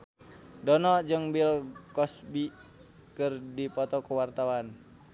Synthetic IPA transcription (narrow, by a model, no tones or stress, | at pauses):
dɔnɔd͡ʒɨŋbilkɔsbi | kɨrdipɔt̪ɔkuwart̪awan